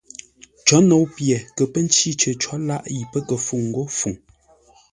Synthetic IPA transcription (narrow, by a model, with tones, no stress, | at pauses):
t͡ʃɔ˨˦no˨˦wpje˨kə˨pə˦n˦t͡ʃi˦˨t͡ʃə˨t͡ʃɔ˨˦la˦ʔji˨pə˦kə˨fu˨ŋ̩˨ɡo˦fu˨ŋ